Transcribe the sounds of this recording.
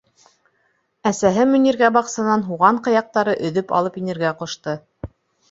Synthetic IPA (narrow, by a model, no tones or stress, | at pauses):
æsæɦɘmɵ̆niɾɡæbɑqsɑnɑnɦuʁɑɴqɤ̆jɑq̚t̪ɑɾɤʔɵ̆ðɵpɑ̰lˠɤpinɘ̆ɾɡæqŏʃt̪ɤ